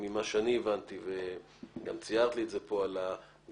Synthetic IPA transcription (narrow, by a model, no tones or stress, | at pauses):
mimaʃeanievant̪ive | ɡamt͡sijaʁt̪lietze̞po̞ala